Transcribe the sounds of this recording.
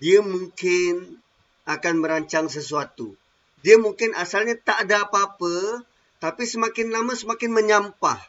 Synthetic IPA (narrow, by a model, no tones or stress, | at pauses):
diamuŋkɪn | akanməɾaɲt͡ʃaŋsəsuat̪u | diamuŋkɪnʔasalɲat̪aʔdaːpaːpə | t̪apisəmakɪnlamasəmakɪnməɲampa̰h